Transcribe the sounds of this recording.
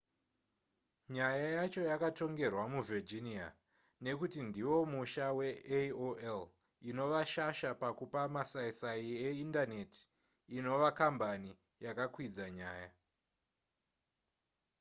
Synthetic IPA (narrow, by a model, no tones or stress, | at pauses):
ɲajajat͡ʃo̞jakato̞ŋɡe̞rwamuvid͡ʒinia̰ | ne̞kutindiwo̞muʃawe̞eoʔel | ino̞ʋaʃaʃapakupamasaisaieindane̞ti̥ː | no̞ʋakambani | jakakwid͡zaɲaːja